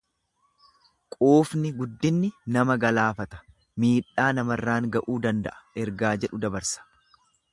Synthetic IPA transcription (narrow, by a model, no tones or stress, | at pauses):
kʼoːfnɪɡʊd̪ːɪnːɪnɐmɐɡɐlaːfɐt̪ɐ̥ | miːᶑːaːnɐmɐrːaːŋɡɐʔuːd̪ɐnd̪ɐʔɐ̥ɛɾɡaːd͡ʒɛᶑʊd̪ɐbɐɾsɐ̥